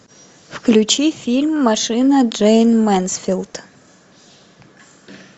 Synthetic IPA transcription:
fklʲʉt͡ɕifʲilʲmːɐʂɨnəʐɛjnmɛnsfʲilˠt̪

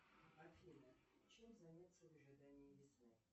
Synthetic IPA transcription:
ɐfʲinə | t͡ɕɛmzanʲat̪səvɨʐɨd̪anʲɪɪjʲɪsnɨ

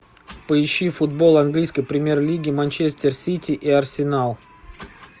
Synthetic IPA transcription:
pəɪɕːifʊd̪̚bo̞lˠɐnɡlʲijskəjpɾʲɪmʲe̞rlʲiɡʲɪmɐnʲt͡ɕesʲt̪ʲɪrsʲitʲɪʔiɐrsʲɪnalˠ

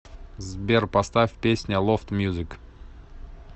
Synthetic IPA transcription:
zbʲerpɐst̪afʲpʲesʲnʲəlˠoft̪mʲjuzɨk

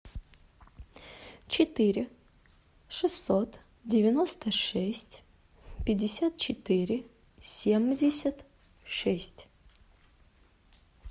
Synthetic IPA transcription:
t͡ɕɪt̪ɨɾʲɪ | ʂɨsːot̪ | dʲɪvʲɪnost̪əʂɛsʲtʲ | pʲɪdʲɪsʲat̪̚t͡ɕɪt̪ɨɾʲɪ | sʲemdʲɪsʲət̪ | ʂɛsʲtʲ

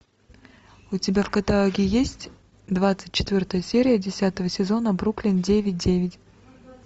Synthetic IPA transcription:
ʊtʲɪbʲafkət̪alˠoɡʲɪjesʲtʲ | d̪vat̪sɨ̥t̚ʲt͡ɕːɪ̥t̪vʲort̪əjəsʲeɾʲɪjədʲɪsʲat̪əvəsʲɪzo̞nəbruklʲɪndʲevʲɪt̚ʲdʲevʲɪtʲ

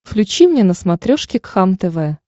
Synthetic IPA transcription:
fklʲʉt͡ɕimnʲenəsmat̪ɾʲoʂkʲɪkxamt̪ɛvɛ

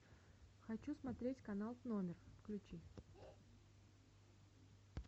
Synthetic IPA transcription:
xɐt͡ɕusmɐt̪ɾʲetʲkɐnalˠvnomʲɪrfklʲʉt͡ɕi

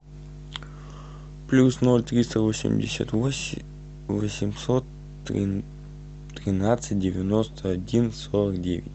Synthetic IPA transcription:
plʲusnolʲt̪ɾʲist̪əvosʲɪ̰mdʲɪ̰sʲə̰t̪ | vəsʲɪmsot̪ | ɾʲɪnat̪sɨt̚ʲdʲɪvʲɪnost̪ʰəɐdʲinsoɾəkdʲevʲɪ̰tʲ

